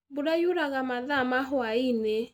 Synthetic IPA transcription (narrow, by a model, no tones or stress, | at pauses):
boɾajuɾaɣamaðamaɦwaine